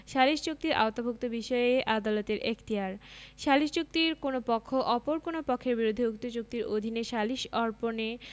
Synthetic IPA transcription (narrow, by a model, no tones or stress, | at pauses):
ʃaliʃt͡ɕuk̚t̪iɾʔa̰ot̪abʱuk̚t̪obiʃɔeʔad̪alot̪eɾʔekʰt̪iɦaɾʃaliʃt͡ɕuk̚t̪iɾkonopɔkʰːoʔɔpoɾkonopɔkʰːeɾbiɾud̪ʱːeuk̚t̪ot͡ɕuk̚t̪iɾod̪ʱineʃaliʃɔɾpone